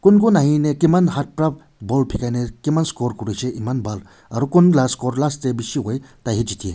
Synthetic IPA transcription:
kunkunaɦĩnekimɐnɦat̚pɾɐb̚ | bolpʰikajnekimɐnskoɾkuɾujt͡ʃʰeʔimɐnbɐl | ɐɾukunlaskoɾlast̪ebisiɦojt̪aɦid͡ʒit̪ʰije

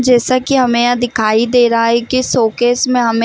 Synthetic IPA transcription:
d͡ʒɛːsakiɦɐmẽjad̪ɪkʰaːid̪eːɾɦaɦɛkisoːkeːsmẽɦɐm

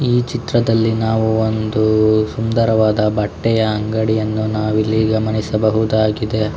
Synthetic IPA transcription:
iːt͡ʃit̪ɾɐd̪ɐlːinaːʋuond̪usund̪ɐɾɐʋaːd̪ɐbɐʈːɛjɐɐŋɡɐɽijɐnːunaːʋilːiɡɐmɐnisɐbɐɦud̪aːɡid̪e̞

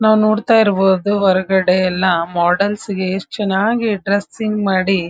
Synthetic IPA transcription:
naːʋnoːɽt̪aːjiɾboːd̪uʋɐɾɐɡɐɽejɛlːɐmaːɖɐlsiɡet͡ʃɐnːaːɡiɖɾesiŋɡmaːɽi

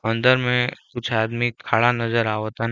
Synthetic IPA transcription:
ə̃nd̪əɾmẽkʊt͡ʃʰaːd̪mikʰaːɭanɐzəɾaːʋot̪an

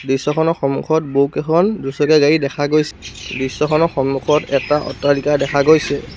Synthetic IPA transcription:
dɹisɔkʰɔnɔxɔmṵkʰɔt̚bokɛkʰɔndusɔkɛɡaɹidɛkʰaɡojsɛdɹisːɔkʰɔnɔxɔmːukʰɔtɛtaʔɔ̰tːalikadɛkʰaɡojsɛ

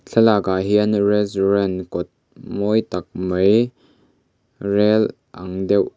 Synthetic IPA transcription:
ɬʰɐlakaɦiʔɐnrɛsɾɛnkɔt̪̚ | mɔjt̪ɐk̚məj | rɛl | ʔɐŋdɛw

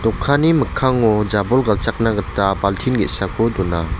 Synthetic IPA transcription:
tɔkʰːaniməkʰaŋɔd͡ʒabɔlɡalt͡ʃak̚naɡɯtːabaltʰinɡetsakʰɔdɔna

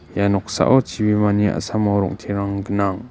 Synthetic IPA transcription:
janɔk̚sa̰ʔɔt͡ʃʰibimaniʔa̰samɔɾɔ̰ŋtʰeɾaŋɡɯnaŋ

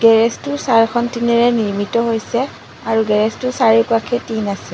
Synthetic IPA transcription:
ɡ̥ɛɹɛstʊsaɹkʰɔntinɛɹɛniɹmitɔɦojsɛ | aɹuɡɛɹɛstusaɹikuwakʰɛtinasɛ

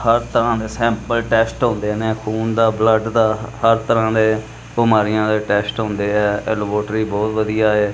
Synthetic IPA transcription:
həɾt̪əɾãːd̪eːsɛ̃ːmpəlʈɛːsʈɦõnd̪eːneːkʰuːnd̪aːbləɖd̪aːhəɾt̪əɾãːd̪eː | bʊmaːɾɪjãːd̪eːʈɛːsʈɦʊ̃nd̪eːɛːɛ̰lboːʈɾiːbɔːt̪ʋəd̪ijaːeː

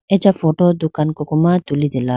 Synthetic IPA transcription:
ed͡ʒafoʈod̪ukankokomat̪ulid̪ela

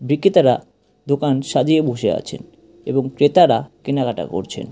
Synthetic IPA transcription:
bɾikʰːit̪aɾa | d̪okanʃad̪ieboʃea̰t͡ɕʰḛn | eboŋkɾet̪aɾakenaɡaʈa̰ko̰ɾt͡ɕʰḛn

